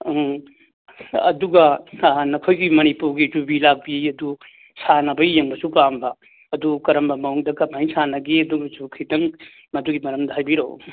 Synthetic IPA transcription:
ɐ̰duɡɐnɐkʰojɡimɐnipuɾɡid͡ʒubilak̚biɐdu | sanɐbɐijeŋbɐsupambɐ | ɐdukɐɾɐmbɐmɐuŋdɐkɐmajsanɐɡiɐduɡɐsukʰidɐŋ | mɐduɡimɐɾɐmdɐɦajbiɾo̰w

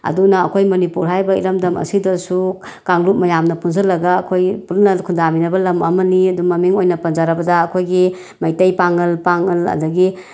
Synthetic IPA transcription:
ɐ̰dunɐɐkʰojmɐnipuɾɦajbɐḭɾɐmdɐmɐ̰sidɐsu | kaŋlut̚mɐjamnɐpunzɐɾlɐɡaːkʰojpulnɐkʰundaminɐbɐlɐmɐ̰mɐniɐdumɐmiŋojnɐpɐnzaɾɐbɐdɐːkʰojɡi | mɐjtɐjpaŋɐlpaŋɐlɐ̰dɐɡi

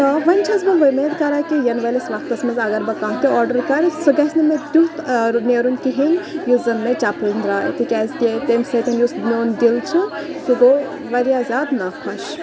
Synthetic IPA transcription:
t̪ɐʋɐnʲt͡ʃʰɐzbɐlʋɐmeːd̪kɐɾaːkijɐnʋɐlesʋɐst̪kɐsmɐzɐɡɐɾbɐkãːɦt̪iɔːɾɖɐɾkɐɾsɐɡɐsʲnɐmed̪ut̪neːɾunkiɦinʲjuzɐnmet͡ʃaːpunɾaːḛt̪ʰikʲɛzt̪iet̪emʲsek̪ɐnjusnoːnd̪ilt͡ʃʰusuɡo | ʋɐɾjazʲaːd̪nɐkʰɐʃ

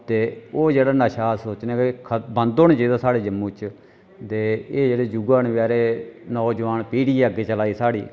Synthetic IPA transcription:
t̪eːoːd͡ʒeːɽaːnəʃaːsoːt͡ʃnẽːkekʰəbənd̪oːnːd͡ʒiːd̪aːsaːɽeːd͡ʒəmːuːt͡ʃ | d̪eːeːd͡ʒeːɽeːd͡ʒuɡaːnʋaːɾeːnɔːd͡ʒəʋaːnpiːɽiːəɡeːt͡ʃəlaːiːsaːɽiː

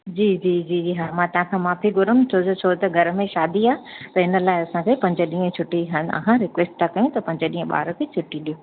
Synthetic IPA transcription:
d͡ʑiːd͡ʑiːd͡ʑiːiɦamãːt̪ɐɦãkʰãːmaːfiɡʊɾəmt͡ɕʰot̪ot͡ɕʰoːt̪ɐɡʱɐɾmẽʃaːd̪iaːɦt̪ɐɦɪnə̆laːɪɐsãkʰeːpɐ̃ɲd͡ʑəɗĩːə̃t͡ɕʰʊʈiɦanɐ̰ɦãɾɪkʋeːsʈ̚t̪ʰakɐjũt̪ɐpɐ̃ɲd͡ʑəɗĩːə̃ɓa̰ːɾkʰet͡ɕʰʊʈiɗijoː

